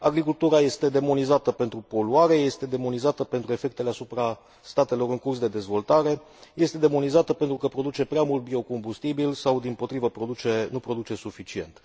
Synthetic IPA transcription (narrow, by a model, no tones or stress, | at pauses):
aɡɾikult̪uɾaje̞st̪e̞d̪e̞mo̞nizat̪əpe̞nt̪ɾupo̞luaɾe̞je̞st̪e̞d̪e̞mo̞nizat̪əpent̪ɾue̞fe̞k̚t̪e̞leasupɾa | st̪at̪e̞lo̞ɾɨŋkursd̪e̞d̪e̞zvo̞lt̪aɾe̞ | je̞st̪e̞d̪e̞mo̞nizat̪əpe̞nt̪ɾukəpɾo̞d̪ut͡ʃe̞pɾeamult̪̚bio̞ko̞mbust̪ibilsawd̪impo̞t̪ɾivəpɾo̞d̪ut͡ʃe̞nupɾo̞d̪ut͡ʃe̞sufit͡ʃie̞̰nt̪